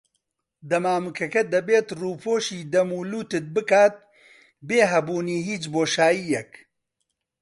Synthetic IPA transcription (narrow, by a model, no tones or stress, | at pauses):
d̪ɐmaːmɨkʰɐkɐd̪ɐbeːt̪ruːpʰoːʃiːd̪ɐmuːluːt̪ɨt̪̚bɨkaːt̪̚ | beːɦɐbuːniːɦiːt͡ʃboːʃaːjijɛk